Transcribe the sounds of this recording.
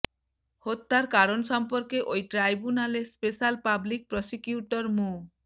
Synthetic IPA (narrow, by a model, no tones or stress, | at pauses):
hot̪ːaɾkaɾonsʃɔmpɔɾkeʔojʈɾajbunalespeʃalpablik̚pɾɔsikjuʈɔɾmu